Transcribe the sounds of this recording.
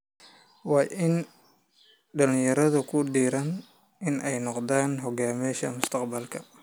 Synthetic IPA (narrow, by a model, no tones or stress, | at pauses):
wɑːʔɪn | ɖɐlɪ̃jɐɾɐðʊkʰʊɖiːɾɐn | ʔɪnʔɛjnɔqd̪aːnɦɔɡaːmɛʃɐ̰mʊst̪ʰɑqbɐlkʰɐ